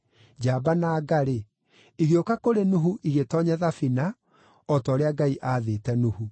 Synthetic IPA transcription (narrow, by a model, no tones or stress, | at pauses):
d͡ʑaːbanaːɡaɾe | iɣeokakoɾenuɦuʔiɣetɔːɲɛðafina | ɔtɔːɾeaɡaiʔaːðeːtɛnuhu